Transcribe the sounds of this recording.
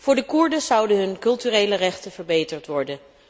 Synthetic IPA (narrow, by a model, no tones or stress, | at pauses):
v̥ʊːɹdəkuɹdəzʌwdəɦɵnkɵlˠtyrejlərɛχtənvəɹbejtəɹtʋɔɹdən